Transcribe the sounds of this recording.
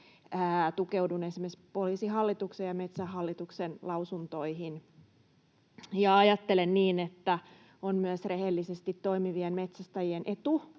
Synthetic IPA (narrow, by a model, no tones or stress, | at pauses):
æːt̪ukeuwdunesimespoliːsiɦɑlːit̪uksejɑmet̪sæɦɑlːit̪uksenlɑusunt̪oiɦin | jɑɑjɑt̪ːelenniːnet̪ːæ | onmyəsrehelːisest̪it̪ːoimiʋienmet̪sæst̪æjienʔet̪u